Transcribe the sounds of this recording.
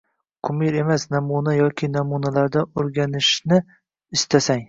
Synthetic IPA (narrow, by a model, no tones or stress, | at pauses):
qʰʊmɪɾe̞masnɒmunajɒkʲʰɪnɒmunalaɾd̪aoɾɡʲanɪʃnɪ | ɪst̪ʰasaŋ